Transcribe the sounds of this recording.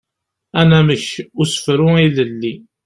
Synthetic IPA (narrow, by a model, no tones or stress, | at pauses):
ænæməçusə̥fɾʊiləlːi